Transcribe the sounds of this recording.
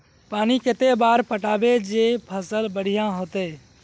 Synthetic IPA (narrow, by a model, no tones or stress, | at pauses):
paːniket̪ebaːɾpəʈaːbed͡ʒepʰəsəlbəɽ̤ijãɦoːt̪e